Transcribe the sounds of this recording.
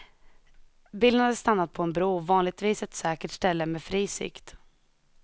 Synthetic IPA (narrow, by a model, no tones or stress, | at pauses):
bilnhad̪əst̪anːat̪̚pʰɔɛnbɾuːvɑːnlɪɡ̚t̪viːsɛt̪sɛːkəʈʂt̪ɛlːəmɛːfɾiːsɪ̰kt̪